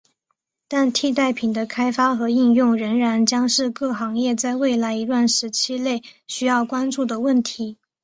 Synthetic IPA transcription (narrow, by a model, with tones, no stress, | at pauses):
t̪a˥˧nt̪ʰi˥˧t̪̬a˥˩ɪpʰi˨˩nd̪ə˦kʰa˥ɪfa˥xɤ˧˥i˥˧ŋjʊ˥˩ŋɻə˧˥ŋɻa˧˥nt͡ɕjɑ˥ŋʂɻ̩˥˧kɤ˥˩xɑ˧˥ŋjɛ˥˧t͡sa˥˧ɪwe˥˩ɪla˧˥ɪi˧˥lwa˥˩nʂɻ̩˧˥t͡ɕʰi˥le˥˩ɪɕy˥jɑ˥˩ʊkwa˥nʈ͡ʂu˥˩d̪ə˩wə˥˩nt̪ʰi˧˥